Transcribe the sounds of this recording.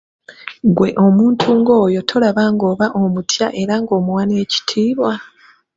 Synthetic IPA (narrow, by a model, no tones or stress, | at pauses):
ŋɡwe̞ʔo̞muːntʰuŋɡo̞ːjo̞tʰo̞laβaŋɡo̞ːβaʔomutʰja̰ʔe̞ɾaŋɡo̞ːmuwane̞ːci̥tʰiːβwa